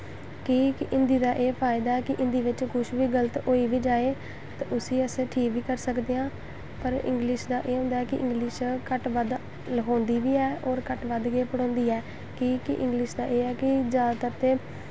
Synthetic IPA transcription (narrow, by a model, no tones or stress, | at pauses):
kiːkʔɪnd̪iːd̪aːʔeːpʰaːɪd̪aːɛːkɪʔɪ̃nd̪iːʋɪt͡ʃkʊʃʋiːɡələt̪oːiːʋiːd͡ʒaːeː | t̪aʊsiːəsẽːʈʰiːkʋiːkəɾsəkd̪eːãː | pəɾɪ̰̃ŋɡlɪʃd̪aːʔeːɦʊ̃nd̪aːɛːkɪʔɪ̰̃ŋɡlɪʃkəʈʋəd̪ | lɦõːnd̪iːʋiːɛːoːɾkəʈʋəd̪ɡeːpəɽɔ̃ːnd̪iːɛː | kiːkɪʔɪ̃ŋɡlɪʃd̪aːʔeːɛːkɪd͡ʒaːd̪aːt̪əɾt̪eː